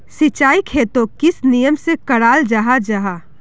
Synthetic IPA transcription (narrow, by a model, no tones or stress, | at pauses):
sɪt͡ʃaːikʰeːt̪okɪsnijəmsekɐɽaːld͡ʒaːɦad͡ʒaːɦaː